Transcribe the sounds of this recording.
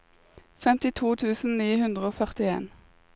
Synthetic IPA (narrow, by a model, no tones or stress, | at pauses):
fɛmt̪ɪt̪ʰuːt̪ʰʉːsn̩niːhʉnd̪ʁəoːfœʁt̪ɪḛːn